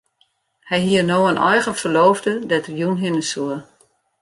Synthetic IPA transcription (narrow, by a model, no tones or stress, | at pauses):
hɛjɦiənoːənʔɔ̰jɣənfərloːvdədɛtərjunɦɪnəsuə